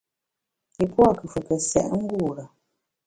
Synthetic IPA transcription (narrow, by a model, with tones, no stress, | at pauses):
i˨pwa˦˨kə˨fə˨kə˨sɛ̰˦˨ʔŋ̩˦ɡu˦˨ɾa˨